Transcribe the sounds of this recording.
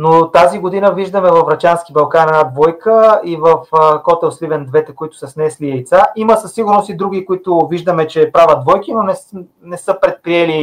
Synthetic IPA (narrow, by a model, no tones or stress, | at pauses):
not̪aziɡod̪inəviʒd̪əmɛvɐfɾɐt͡ʃansk̟ibɐlˠkanɛnad̪vɔjkəivɐfkɔt̪ɛlˠslivɛnd̪vɛt̪ɛkoit̪ʊ̥sɐsnɛsliɛjt̪saʔiməsɐsːiɡʊɾnost̪id̪ɾuɡ̟ikoit̪ʊviʒd̪əmɛt͡ʃɛpɾavɐt̪̚d̪vɔjkinonɛ | nɛsɤpɾɛt̪̚pɾiɛli